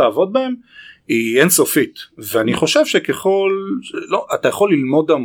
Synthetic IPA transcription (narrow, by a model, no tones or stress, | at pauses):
aːvo̞d̪̚bae̞m | ienso̞fit̪veaniχo̞ʃevʃekeχo̞lʃloʔatajaχo̞lːilmo̞dam